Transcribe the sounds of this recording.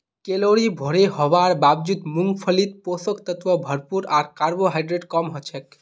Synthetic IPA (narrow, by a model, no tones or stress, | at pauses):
keloɽibʱoɽeɦɔbaɾbabd͡ʒut̪muŋɡpʰəlit̪̚posəkt̪ət̪ʋəbʱəɾpuɾaɾkaɾboɦajɖɾeɖkɔmɦot͡ʃʰɛk